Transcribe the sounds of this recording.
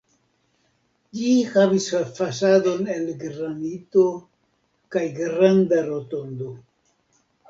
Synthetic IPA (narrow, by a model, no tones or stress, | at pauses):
d͡ʒihavisfasado̞ne̞lɡɾanito̞ | kajɡɾandaɾo̞to̞nd̪o̞